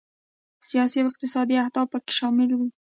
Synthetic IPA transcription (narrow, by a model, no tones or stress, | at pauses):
sijɑsiawɪq̚t̪ɪsɑd̪iahd̪ɑb̚pəke̥ʃɑmɪlwi